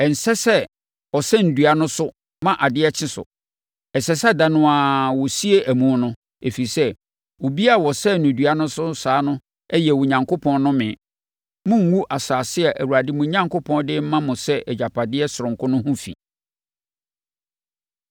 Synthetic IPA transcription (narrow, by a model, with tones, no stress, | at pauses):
ɛ˨n̩˨sɛ˦sɛ˦ | ɔ˨sɛ˦n̩˨du˨a˨nʊ̃˦sʊ˦ | mã˦ʔa˨dɪ˦ɛ˦t͡ɕʰɪ̃˦sʊ̰˨ | ɛ˨sɛ˨sɛ˦dã˨nʊ̃˦a˨wɔ˨si˦e˦ʔæ˨mũ˦nʊ̃˦ | e˨fi˨i˨sɛ˦ | wo˨bi˦a˦˨wɔ˨sɛ˦˨nʊ̃˨du˨a˦nʊ̃˦sʊ˦saː˨˦nʊ̃˦ | ɛ˦jɛ˨wʊ̃˨ɲã˨ŋkʰo˦pʰɔ̃˦n˦nʊ̃˦mɪ̃˨ | mʊ̃˦ŋ̩˦wu˦ʔa˨saː˨sɪ˦ɛ˨ʔæ˨wu˨a˨dɪ˦mʊ̃˨˦ɲã˦ŋko˦pʰɔ̃˦ndɪ˦m̩˦mã˦mʊ̃˨sɛ˦ʔɛ˨d͡ʑa˨pʰa˨dɪ˦ɛ˦sʊ˨ʊ̃˨ŋkʰʊ˦nʊ̃˦hʊ̃˦fḭ˨